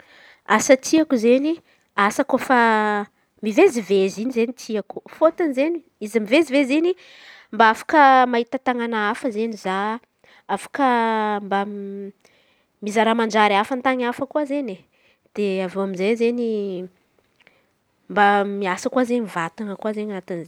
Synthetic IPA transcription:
asət̪ʰiakuzeni | asakofa | mivezivezinizenit̪ʰiaku̥fot̪anzeni | izimivezivezini | mbaafḁkəmaɦit̪ət̪aŋanaafəzeniza | afḁkəmba | mizaɾamand͡ʒaɾiafant̪aŋafəkuazene | d̪̥eavoaminzajzeni | mbamiasəkuwazenmivat̪aŋəkwazeɲanat̪anz

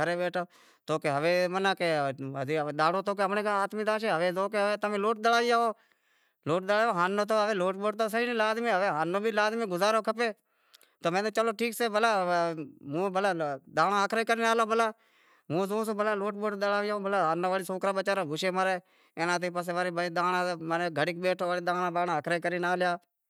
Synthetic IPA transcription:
əɾeːbeːʈoː | t̪oːkeɦəʋeːmənaːke | ɗ̪aːɽoːt̪oːk̬eɦəmnẽːkːaːt̪miːd̪aːʃeːɦəʋeːzoːk̬eɦəʋeːt̪əmẽːloːʈ̚ɗ̪əlaːʋɪjaːɦoː | loːʈ̚ɗ̪əlaːoːɦaːnːoːt̪̬oːɦəʋeːloːʈɓoːʈ̚t̪oːs̬əiːnːlaːd̪mẽːɦəʋeːɦaːnːõːbʱiːlaːd̪mẽːɡʊzaːɾoːkʰəpeː | t̪oːmẽːt̪eːt͡ʃəloːʈʰiːkseːbəlaː | mũːbəlaːd̪aːnãːəkʰɾaːkəɾiːnaːloːbəlaː | mũːzõːsõːbəlaːloːʈ̚boːʈd̪əlaːʋɪjaːõːbəlaːɦaːnãːʋaːliːsoːkɾaːbət͡ʃaːɾaːbʱʊʃeːməɾeː | eːnãːt̪̬eːpəs̬eːʋaːɾebəːd̪aːnãːməneːɡʱəɽiːkɓeːʈʰoːʋaːliːd̪aːnaːbaːnãːəkʰɾaːkəɾiːnaːljaː

